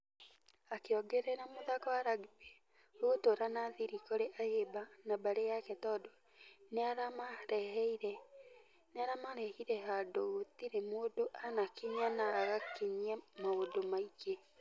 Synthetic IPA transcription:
akeɔɡɛɾɛnamoðakɔaɾaɡibe | oɣotoɾanaðiɾikoɾeʔahebanabaɾejakɛtɔːdɔ | neaɾamaɾɛɦɛiɾɛ | neaɾamaɾɛhiɾɛɦadoɣotiɾemoːdoʔanakiɲanaɣakeɲiamaodomaike

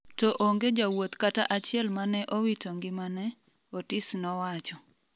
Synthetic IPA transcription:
tɔʔoŋɡed͡ʒawot̪kataʔat͡ʃɪɛlmanɛʔowitoŋɡɪmanɛ | otɪsnɔwat͡ʃɔ

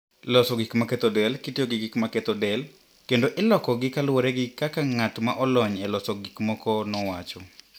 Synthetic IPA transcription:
lɔsɔɡikmakɛt̪ɔdɛlkitɪjoɡɪɡɪkmakɛt̪ɔdɛl | kendoʔɛlɔkɔɡɪkalwoɾɛɡɪkakaŋatmaʔɔlɔɲɛlɔsɔɡikmɔkɔnɔwat͡ʃɔ

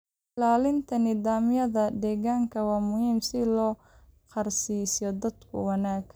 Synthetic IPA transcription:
laːlɪnt̪ʰɐnɪðaːmɪjɐðɐd̪ɛːɣaːŋkʰɐwɑːmʊhiːmsɪlɔː | qɑrsiːsjɔd̪ɐd̪kʰʊ̰wɑnaːɡ

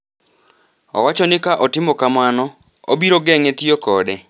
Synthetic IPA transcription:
ɔ̰wat͡ʃɔnɪkaʔotɪmɔkamanɔ | o̰biɾoɡɛŋɛtiɔkɔdɛ

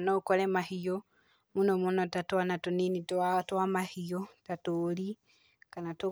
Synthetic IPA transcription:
nɔkɔɾɛmahio | munomonɔtatwanatonenitwatwamahiotatoɾi | kanato

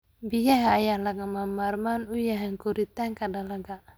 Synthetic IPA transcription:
bijaɦaːjalaɡamamarmanujaɦɛŋkuɾit̪ɛŋkadalaɡa

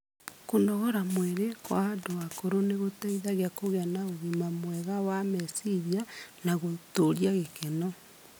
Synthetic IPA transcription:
kondɔɣɔɾamweɾekwandowakoɾoneɣotɛiðaɣeakoɣeanaoɣimamwɛɣawamɛsiðjanaɣotoɾjaɣekɛnɔ

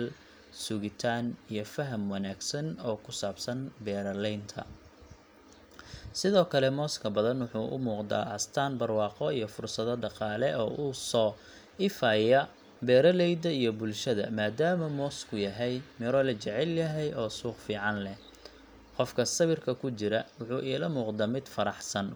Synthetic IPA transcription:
l | sʊɣɪt̪ʰaːnijɞfɐɦɐmwɑnaːɡsɐnɔːkʰʊsaːbsɐnbɛːɾɐlɛjnt̪ʰɐ̰ | sɪðɔːkʰɐlɛmɔːskʰɐbɐðɐnwʊħuːʔʊ̰muːqd̪a̰ːʔɐst̪ʰaːnbɐrwɑːqɔijɞfʊrsɐðɐɖɑqɑːlɛʔɔːʔuːsɔː | ɪfaːjɐ | bɛːɾɐlɛjd̪ɐijɔbʊlʃɐðɐ̰maːd̪aːmɐmɔːskʰʊjɐɦɛjmɪɾɔlɐt͡ʃɛʕɛljɐɦɛjɔːsuːqfiːʕɑnlɛ | qɔfkʰɐsɐβɪrkʰɐkʰʊt͡ʃɪɾɐwʊħuːʔiːlɐmuːqd̪aːmɪd̪fɐɾɑħsɐn

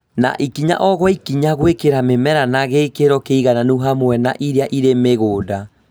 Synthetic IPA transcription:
na̰ʔikiɲa̰ʔɔɣwɔikiɲaɣwekeɾamemɛɾanaɣekeɾɔkeiɣananuɦamwɛna̰ʔiɾeaʔiɾemeɣoːda

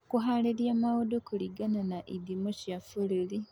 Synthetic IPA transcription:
kuɦaleɾjamawodokuliɡananaʔidimociafulili

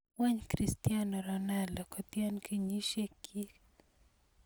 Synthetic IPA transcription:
wɛɲkɾistjanɔɾɔnaldɔkɔt̪jɛnkiɲiʃekʰi

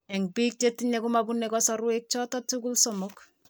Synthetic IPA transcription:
ɛŋpik̚tetiɲɛkumabunːɛkɔsɔɾwek̚t͡ʃɔtɔtukulsomʊk

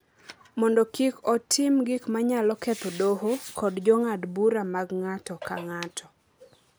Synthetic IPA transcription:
mɔndɔkikɔtʰɪmɡɪkmaɲalɔket̪odoɦokʰɔdd͡ʒɔŋadbuɾamaɡŋatɔka̰ŋatʰɔ̥

